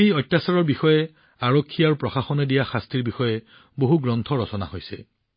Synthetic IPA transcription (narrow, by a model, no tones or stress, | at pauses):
ejɔjtːasaɹɔɹbixɔjɛ | aɹokʰːiaɹupɹɔxaxɔnɛdijaxastʰiɹbixɔjɛ | boɦuɡɹɔnt̪ʰɔɹɔsɔna̰hojsɛ